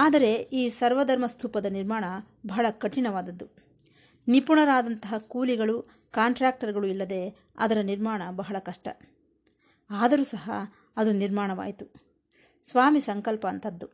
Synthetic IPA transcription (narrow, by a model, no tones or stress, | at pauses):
aːd̪ɐɾe̞iːsɐɾʋɐd̪ɐɾmɐst̪ʰuːpɐd̪ɐniɾmaːɳɐ | bɐɦɐɭɐkɐʈiɳɐʋaːd̪ɐd̪ːu | nipuɳɐɾaːd̪ɐnt̪ɐɦɐkuːliɡɐɭu | kaːɳʈɾaːk̚ʈɐɾɡɐɭuilːɐd̪e̞ː | ɐ̰d̪ɐɾɐniɾmaːɳɐbɐɦɐɭɐkɐʂʈɐ̰ | aːd̪ɐɾusɐɦɐ̰ | ɐd̪uniɾmaːɳɐʋa̰ːjit̪u | sʋaːmisɐŋkɐlpɐːnt̪ɐd̪ːu